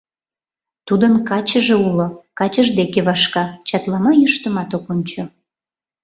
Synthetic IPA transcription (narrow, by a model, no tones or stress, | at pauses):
t̪ud̪ənkɑt͡ɕəʒeulokɑt͡ɕəʒd̪ekeβɑʃkɑt͡ɕɑt̪lɑmɑjyʃt̪əmɑt̪okonʲt͡ɕo